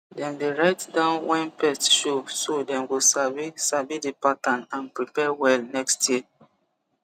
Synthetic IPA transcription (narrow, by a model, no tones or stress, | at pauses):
dɛ̃ndeɹaɪtdãʊ̃nwɛ̃npɛstʃosodɛ̃nwilsavisabidipatãnãnpɹipɛwɛlnɛkstji